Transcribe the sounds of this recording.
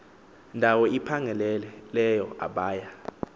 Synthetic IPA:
ndʱawɔʔipʰaŋʱɛlɛlɛlɛjɔa̰ɓaːja

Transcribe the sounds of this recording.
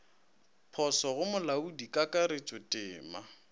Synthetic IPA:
pʰɔsɔɣʊmʊlaudikʼakʼaɾɪt͡ʃʼʊtʼɪːma

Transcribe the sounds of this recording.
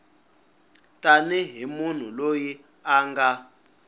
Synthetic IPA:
taniɦimun̤uloji | aːŋɡa

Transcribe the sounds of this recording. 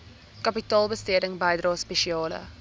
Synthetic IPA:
kɐpitɑːlˠbəstiədəŋbɐjdrɑːspɛʃiɑːlə̰

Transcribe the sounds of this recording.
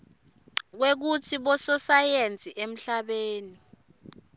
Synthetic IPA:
k̬wek̬utʰiɓɔsɔsajent͡sʼiʔem̩ɬaɓeːni

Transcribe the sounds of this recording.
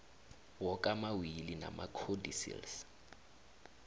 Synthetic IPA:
wɔkʼamawilina̰makʰodisḭls

